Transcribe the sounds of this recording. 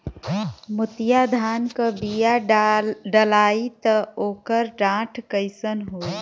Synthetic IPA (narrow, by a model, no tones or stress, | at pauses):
mʊt̪jad̪ʱaːnkəbija | ɖəlaːit̪əoːkəɾɖãːʈʰkəɪsənɦoː